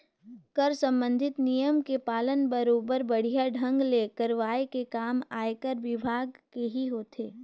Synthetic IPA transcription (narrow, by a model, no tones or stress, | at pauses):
kəɾsə̃mbə̃nd̪ʱɪt̪nijəmkepaːlənbəɾoːbəɾbɐɽ̤ijaɖʱə̃ŋɡlekəɾʋaːekekaːmaːekəɾʋɪbʱaːɡkeɦiɦoːt̪ʰeː